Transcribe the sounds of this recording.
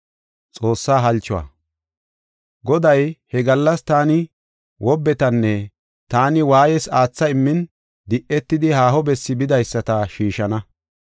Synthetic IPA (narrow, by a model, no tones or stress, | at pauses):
t͡sʼo̞ːsːaːɦɐlt͡ʃːʊwɐ̰ | ɡɔd̪ɐjhɛɡɐlːɐst̪aːnɪ | wʔɔbːɛt̪ɐnːɛ | t̪aːnɪwaːjɛsaːt͡sːɐɪmːɪn | d̪ɪʔɛt̪ːɪd̪ɪhaːɦɔbɛsːɪbɪd̪ɐjsːɐt̪ɐʃiːʃɐnɐ